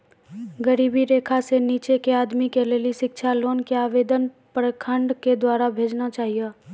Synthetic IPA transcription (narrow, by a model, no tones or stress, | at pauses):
ɡəɾiːbiɾeːkʰaseniːt͡ʃekeaːd̪mikeleːliʃɪkʃʰaloːnkeaːʋeːd̪ən | pɾkʰə̃ɳɖked̪waːɾabʱeːd͡ʒnat͡ʃaːɦijeː